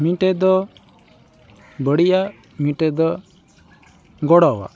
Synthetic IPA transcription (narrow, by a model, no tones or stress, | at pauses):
mĩʈɛd̪ɔ | bəɽija | miʈɛd̪ɔ | ɡɔɽɔwa̰